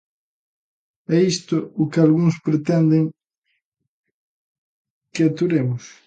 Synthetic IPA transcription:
ɛist̪ʊʊkɪalɣuŋspɾet̪ɛnd̪ɪŋ | kɪat̪uɾemʊs

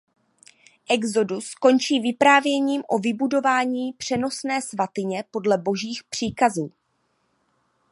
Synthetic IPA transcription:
ʔɛɡzo̞dusko̞nt͡ʃiːvɪpɾaːvjɛɲiːmʔo̞vɪbudo̞vaːɲiːpr̝̥ɛno̞snɛːsvat̪ɪɲɛpo̞dlɛbo̞ʒiːxpr̝̥iːkazuː

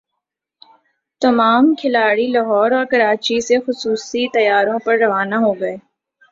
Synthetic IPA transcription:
t̪ɐmaːmkʰɪlaːɽilɐɦɔːɾɔːɾkɐɾaːt͡ʃisexʊsuːsit̪ɐjaːɾõpɐɾːɐʋaːnaɦoːɡɐeː

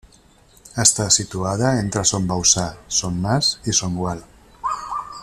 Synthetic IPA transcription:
əst̪asit̪uað̞aent̪ɾasombawsasonːasisoŋɡwal

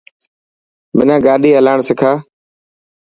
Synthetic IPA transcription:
mɪnãːɡaːɗiːəlaːɳsɪkʰaː

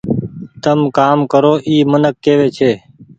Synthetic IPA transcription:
t̪əmkaːmkəɾoːʔiːmənəkːeːʋeːt͡ʃʰeː

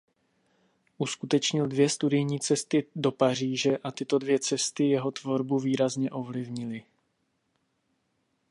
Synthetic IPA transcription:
ʔuskut̪ɛt͡ʃɲɪldvjɛst̪udɪjɲiːt͡sɛst̪ɪdo̞par̝iːʒɛʔat̪ɪt̪o̞dvjɛt͡sɛst̪ɪjɛɦo̞t̪vo̞ɾbuviːɾazɲɛʔo̞vlɪvɲɪlɪ

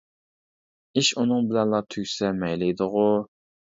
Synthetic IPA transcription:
iʃunɨŋbɪlɛnlˠɑt̪ʰyɡʲsɛmɛjlɪjd̪ʊʁʊ

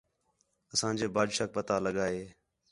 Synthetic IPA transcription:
əsãːd͡ʒeːbaːd͡ʒʃaːk̚pət̪aːləɠaːɦeː

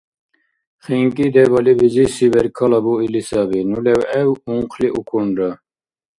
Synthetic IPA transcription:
χiŋkid̪ebɐlibizisibɛɾkʰɐlɑbuilisɑbinulewɛwuŋqʰliʔukʰuɳɖə

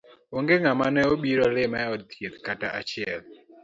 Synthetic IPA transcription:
oŋɡeŋamanɛobiɾɔlɪmɛɔd̚t̪ʰjet̪kataʔat͡ʃɪɛl

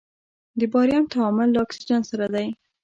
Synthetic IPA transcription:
d̪əbɑɾjɑnt̪aɑmʊlːaɑksid͡ʒansaɾad̪aj

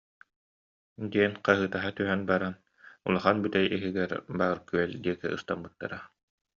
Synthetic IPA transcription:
d̪iɛnqaɦɯːt̪aɦat̪yɦœnbaɾan | ulˠaχanbyt̪ɛjʔiɦiɡɛɾbaːɾkyɛld̪iɛkɛ̰ʔɯ̰st̪ambɯt̪ːa̰ɾa

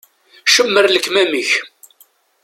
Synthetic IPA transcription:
ʃəmːəɾləkːmæməç

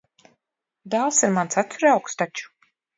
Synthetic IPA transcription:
d̪alˠsiɾmantsat̪uɾawkst̪at͡ʃu̥

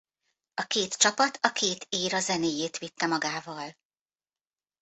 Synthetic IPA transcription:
ɒkeːt̪t͡ʃɒpɒt̪ʰɒkʰeːt̪ʰeːɾɒzɛneːjeːt̪ʋit̪ːɛmɒɡaːvɒl

